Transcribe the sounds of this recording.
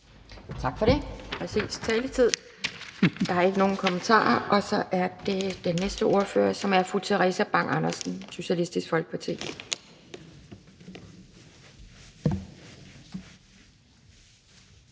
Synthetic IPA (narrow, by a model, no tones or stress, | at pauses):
t͡sʰɑ̈ɡ̥fɒ̽ɾ̥e̝pʰʁɛsḭːst͡sʰɛːlət͡sʰið̞̰ˠ | d̥ɑ̈hɑɐe̝ɡ̥əno̝ːn̩kʰɒ̽mənt͡sʰɑ̰̈ːɐʔɒ̽sɒ̽ʔæɐd̥e̝d̥enːesd̥əʔo̝ɐfø̰ːɐsɒ̽mæɐfʁut͡sʰeʁɛsæb̥ɑ̈ŋ̰ʔɑ̈nɐsn̩suɕælisd̥isɡ̥fɒ̽lɡ̥ə̥pʰɒt͡sʰḛːe